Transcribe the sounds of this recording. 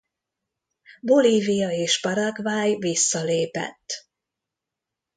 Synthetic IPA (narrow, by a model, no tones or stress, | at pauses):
bo̞liːvijɒeːʃbɒɾɒkʋaːjvisːɒleːpɛ̰t̪ː